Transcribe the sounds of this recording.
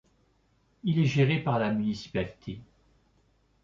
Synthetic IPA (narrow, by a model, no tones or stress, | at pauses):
ilɛʒeʁepaʁlamynisi̥palit̪ʰe